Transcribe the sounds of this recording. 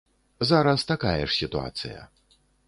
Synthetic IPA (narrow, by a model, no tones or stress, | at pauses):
zaɾɐst̪akajɛʂsʲit̪ua̰t̪sɨ̰jɐ̰